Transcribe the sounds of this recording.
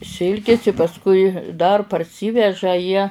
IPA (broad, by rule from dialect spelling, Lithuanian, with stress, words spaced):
ˈsʲɪlʲkʲɪs ɪ pɐsˈkʊɪ dɐr pɐrʲˈsʲiːʋʲɛʒɐ jiɛ